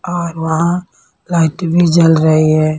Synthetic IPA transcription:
ɔːɾʋɐɦã | laːɪʈbʱid͡ʒɐlɾɐɦiɦɛː

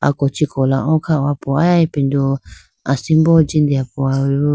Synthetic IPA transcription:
a̰kot͡ʃikolaõkʰaoapuaaipind̪o | a̰simbot͡ʃind̪iapua

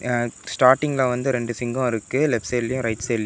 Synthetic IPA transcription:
sʈaːɾʈɪŋɡlãːʋɐnd̪ɯɾɛɳɖɯsɪŋɡɔ̃ɪɾɯkːɯlɛpsɛlːɪjʊ̃ɾɐɪʈsɛlɪj

